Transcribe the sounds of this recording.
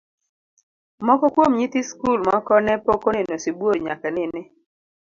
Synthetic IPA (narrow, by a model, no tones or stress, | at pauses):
mɔkɔkwomɲit̪iskulmakɔnɛpokonɪnosibwoɾɲa̰kanɪnɪ